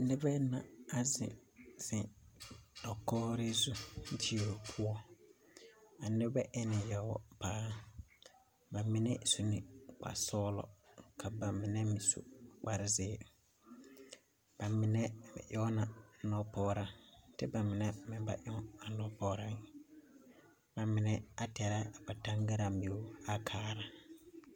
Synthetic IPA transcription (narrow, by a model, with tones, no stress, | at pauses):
nɪ˦bɛ˦na˨a˨zɪ̰̃˨z̥ɪ˨ | dɔ˨kɔː˦ɾɪ˦zu˦tʰi˦˨o˨pʰʊ˦ɔ˦ | a˨nɪ˦bɛ˦ʔɛ˦nɪ˨jɛ˨wɔ̰˨paː˦ | ba˨mɪ˨nɛ˦su˨nɪ˨k͡pa̰˨sɔː˦lɔ̰˨kʰa˨ba˨mɪ˨nɛ˦mi˨sṵ˨k͡pa˨ɾɪ˦zɪ˦ | b̥a˨mɪ˨nɛ˦mɪ̰˨ʔɔ˦na˨nɔ˦pɔː˦ɾa˨tɪ˦ba˨mɪ˨nɛ˦mɪ˨ba̰˨ʔɔ˦ŋ˦a˨nɔ˦pɔː˦ɾa˦ŋ˨ | ba˨mɪ˨nɛ˨a˦tɛ˨ɾa˦˨k͡pa˨ta˦ŋɡa˦ɾa˨mbi˨ʊ˦a˦kʰaː˦ɾa˨